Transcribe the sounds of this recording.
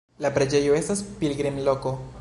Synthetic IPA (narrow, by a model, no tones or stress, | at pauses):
lapɾed͡ʒe̞joe̞staspilɡɾimlo̞ko